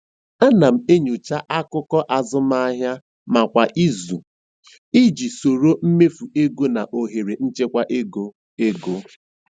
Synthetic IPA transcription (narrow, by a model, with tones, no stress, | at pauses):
a˦na˨m̩˨e˦ɲu˨t͡ʃa˦ʔa˦kʊ˦kɔ˦ʔa˨zʊ˦m˦a˦ɦja˦ | ma˨kʷa˨ʔi˦zṵ˨ | i˦d͡ʒi˨so˨ɾo˦m̩˦me˦fu˨e˦ɡo˦na˨ʔo˨ɦe˨ɾe˨n̩˦t͡ʃe˦kʷa˦ʔe˦ɡo˦ | e˦ɡo˦